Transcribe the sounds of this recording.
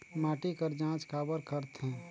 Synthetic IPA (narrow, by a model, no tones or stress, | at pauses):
maːʈikəɾd͡ʒãːt͡ʃkaːbəɾkəɾt̪ɦɛ̃ː